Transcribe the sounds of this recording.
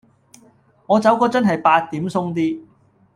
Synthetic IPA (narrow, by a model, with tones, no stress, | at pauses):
ŋɔː˨˧t͡sɐ˨˥wkɔː˧t͡sɐ˥nɦɐ˨jpaː˧t̚t̪ːiː˨˥msʊ˥ŋt̪̬iː˥